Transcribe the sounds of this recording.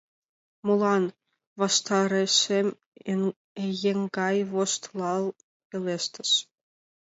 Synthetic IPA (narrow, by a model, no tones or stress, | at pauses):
molˠɑn | vɑʃt̪ɑɾeʃem | ejeŋɡɑjβoʃt̪lˠɑlˠ | elʲeʃt̪ɘ̆ʃ